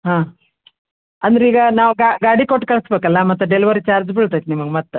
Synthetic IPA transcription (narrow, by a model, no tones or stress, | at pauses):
ɦãː | ɐnd̪ɐɾeiːɡɐnaːʋuɡaɡaːɽikoʈːkɐɭɐsbeːkɐlːɐmɐt̪ːuɖelʋɐɾit͡ʃaːɾd͡ʒbiɭt̪ajt̪nimɐɡemɐt̪ː